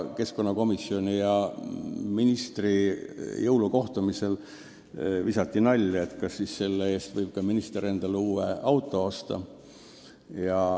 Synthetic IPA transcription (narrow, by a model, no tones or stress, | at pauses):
ke̞sko̞nːɑko̞misio̞nʲijɑ | minist̪rijɤwluko̞ht̪umise̞l | visɑt̪ˑːinɑlʲːet̪kɑsːisse̞lːee̞ːst̪vɤjb̥̚kɑminist̪eɾend̪̥ɑluːeɑwt̪ːˑo̞ost̪ɑ̰ | jɑ